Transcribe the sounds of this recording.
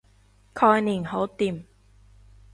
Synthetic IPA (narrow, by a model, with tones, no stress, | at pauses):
kʰɔː˧jniː˨˩nho˨˥wt̪iː˨˩m